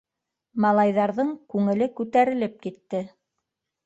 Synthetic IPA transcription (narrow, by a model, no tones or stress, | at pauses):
mɑlˠɑjðɑɾðɤɴkʉŋɘ̆lɘkʉt̪æɾɘ̆lɘp̚kit̪ːɘ